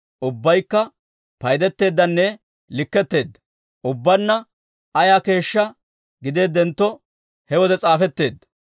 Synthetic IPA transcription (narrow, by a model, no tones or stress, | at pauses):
ʔʊbːɐjkːɐ | pɐjd̪ɛt̪ːe̞ːd̪ːɐnːɛ | lɪkːɛt̪ːe̞ːd̪ːɐ̥ | ʔʊbːɐnːɐ | ɐjaːke̞ːʃːɐ | ɡɪd̪e̞ːd̪ːɛnt̪ːɔ | hɛwɔd̪ɛt͡sʼaːfɛt̪ːe̞ːd̪ːɐ̥